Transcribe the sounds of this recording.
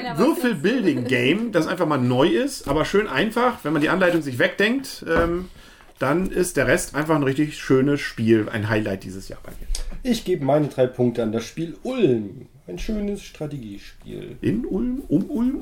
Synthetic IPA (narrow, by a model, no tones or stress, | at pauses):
vʏɐfl̩bɪldɪŋɡeɪmd̥asʔaɪnfaχmaːlnɔʏɪstʔa̰ːbɐʃøːnʔaɪnfaχvɛnmandiːʔanlaɪtʊŋzɪç̬v̥ɛk̚d̥ɛŋk̚tʔɛːm | d̥anʔɪstd̥eːɐʁɛstʔaɪnfaχnʁɪçtɪçʃøːnəsʃpiːlʔa̰ɪnɦaɪlaɪt̚d̥iːzəsja̰ːɐb̥aɪmḭːɐʔɪçɡ̥eːbəmaɪnədʁaɪpʰʊŋk̚təandasʃpiːlʔʊlm | aɪnʃøːnəsʃtʁ̥ateɡiːʃpḭːlʔɪnʔʊlmʔʊmʔʊlm